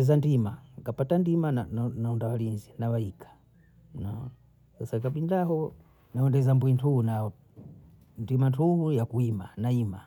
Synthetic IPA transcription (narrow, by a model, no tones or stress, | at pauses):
ɛzandimaŋkapatandimanananaɔndawalinzinawaikʰḁ | nɔ | sasakaɓindaɦɔ | nawɔndɛzambwintʰuhuna | ndimantʰuhujakuimanaima